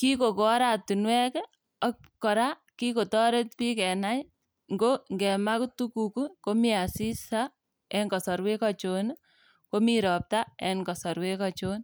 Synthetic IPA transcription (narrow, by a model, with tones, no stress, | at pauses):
ki˦ko˨ko˨˦ɾatu˨nwɛ˦k | ɔ˦k | kɔ˨ɾa | ki˦ko˨tɔ˦ɾe˦t̚pi˦kɛ˨na˦j | ŋɡo˦ŋɡɛ˨ma˦ktu˦ku˨ku˦ko˦mi˦a˨si˦sa | ɛ˦ŋkɔ˨sɔ˨ɾwe˦kɔt͡ʃo˦n | ko˦miɾɔ˨p̚ta˦ɛ˨nkɔ˨sɔ˨ɾwe˦kɔt͡ʃo˦n